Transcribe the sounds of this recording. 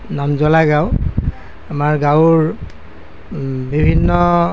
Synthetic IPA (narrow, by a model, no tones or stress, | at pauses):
namzɔlaɡaʊ | amaɹɡawɹ | bibʱinːɔ